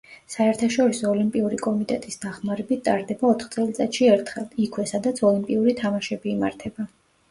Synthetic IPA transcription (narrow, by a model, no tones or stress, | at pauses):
saɛɾt̪ʰaʃɔɾisɔːlimpʼiuɾikʼɔmit̪ʼɛt̪ʼisd̪aχmaɾɛbit̪̚ʰt̪ʼaɾd̪ɛbaɔt̪ʰχt̪sʼɛlˠt̪sʼɛt̪ʃiɛɾt̪ʰχɛlˠikʰwɛsad̪at̪sʰɔlimpʼiuɾit̪ʰamaʃɛbiːma̰ɾt̪ʰɛba